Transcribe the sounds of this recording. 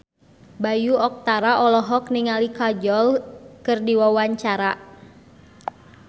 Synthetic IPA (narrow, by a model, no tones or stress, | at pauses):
bajuɔk̚t̪aɾaʔɔlɔɦɔkniŋalikad͡ʒɔlkɨrdiwawaɲt͡ʃaɾa